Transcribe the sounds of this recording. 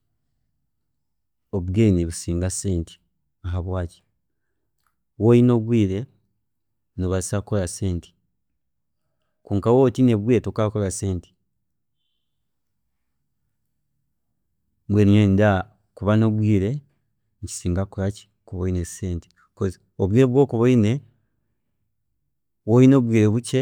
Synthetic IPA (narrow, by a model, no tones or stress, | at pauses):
oβuɡeːniβusiːŋɡase̞ːnti̥ | aɦaβwaːci̥ | wojino̞βwiːɾe̞ | noβaisako̞lase̞ːnti̥ | kuːŋkawotine̞βweːtokakolaseːnti̥ | bweɾiɲenda | kuβanoβwiːɾe̞ | ɲci̥siːŋɡakuɾaci̥ | kuβoineseːnti̥ | ko | oβwiːɾeβwo̞ːkuβoine | wojino̞βwiːɾeβuce